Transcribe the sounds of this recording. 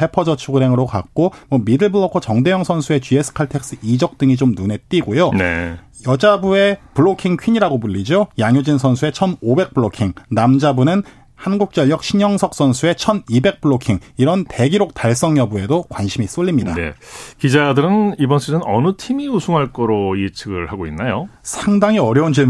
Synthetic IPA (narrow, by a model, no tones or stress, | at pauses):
e̞pʰʌd͡ʑʌt͡ɕʰuɡɯɾe̞ŋɯɾoka̰k̚k͈omwʌmidɯɭbɯɭʌkʰot͡ɕʌŋdejʌŋsʰʌnsʰue̞t͡ɕiesʰɯ̥kʰaɭtʰe̞k̚s͈ɯid͡ʑʌk̚t͈ɯŋit͡ɕomnune̞t͈iɡojonḛ | jʌd͡ʑabue̞puɭokʰiŋkʰiɲiɾaɡobuʎːid͡ʑojaŋjod͡ʑinsʰʌnsʰue̞t͡ɕʰʌnobe̞k̚p͈ɯɭokʰiŋnamd͡ʑabunɯn | hanɡuk̚t͡ɕ͈ʌʎːʌk̚ɕʰiɲʌŋsʰʌk̚s͈ʌnsʰue̞t͡ɕʰʌnibe̞k̚p͈ɯɭokʰiŋiɾʌnte̞ɡiɾok̚taɭs͈ʌŋjʌbue̞dokwanɕʰimis͈oʎːimɲida̰ḛkid͡ʑadɯɾɯnibʌnsʰɯɯnʌ̰nutʰimiusʰuŋɦaɭk͈ʌɾoit͡ɕʰɯɡɯɭhaɡoinːajosʰaŋdaŋiʌɾjʌund͡ʑi